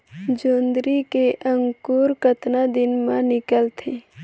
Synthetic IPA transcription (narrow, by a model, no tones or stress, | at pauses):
d͡ʒoːnd̪ɾikeʔə̃ŋkuːɾkət̪nad̪ɪnmãnɪkəlt̪ʰe